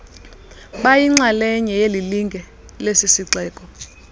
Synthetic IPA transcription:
ɓajiŋ͡ǀalɛɲɛjeliliŋɡʱɛ | lesisiǀɛːkʼɔ

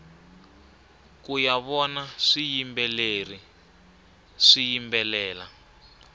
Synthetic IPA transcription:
kujaβɔnaʂijimbɛleri | ʂijimbɛlɛːla

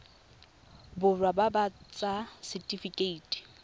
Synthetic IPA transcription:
bʊrwababat͡sʼasɪtʼifikʼeiːtʼi̥

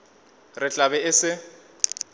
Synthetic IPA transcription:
rɪt͡ɬʼabɛɪsɪ

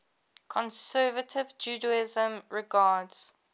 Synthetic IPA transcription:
kʰɔ̃nsɜːvətʰɪvd͡ʒuːdəɪzə̃mɹɪɡɑːdz̥

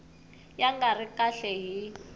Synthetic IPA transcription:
jaŋɡarikʼaɬɛɦi

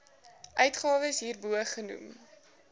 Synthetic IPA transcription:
ʔœɥtχɑːvəsɦiːrbuəχːənṵm

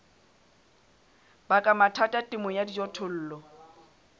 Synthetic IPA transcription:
bakʼamatʰatʼatʼɪmɔjadid͡ʒɔtʰʊl̩ːlɔ

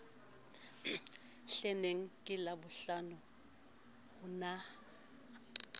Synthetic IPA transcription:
ɬɛneŋ̩kʼɪlabʊɬanʊ | hʊna

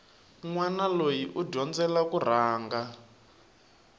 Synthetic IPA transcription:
ŋwanalojiʔuɟɔnd͡zɛlakur̤aːŋɡa

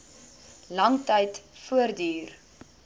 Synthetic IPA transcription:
lɐŋtəjtfuərdyːr

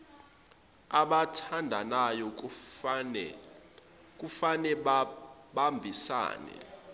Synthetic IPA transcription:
aɓatʰandʱanajɔ | k̬ʼufanɛ | ɓambʱisa̰ːnɛ̰

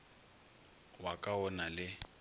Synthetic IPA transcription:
wakʼaɔnalɪ

